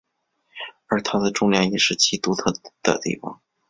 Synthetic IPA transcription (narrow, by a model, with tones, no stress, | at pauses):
ə˞˧˥t̪ʰa˥d̪ə˨ʈ͡ʂʊ˥ŋljɛ˧˥njɛ˨˩ʂɻ̩˥˩t͡ɕʰi˧˥t̪u˧˥t̪ʰɤ˥˩d̪̥ə̰˩t̪ḭ˥˩fɑ̰˧˩ŋ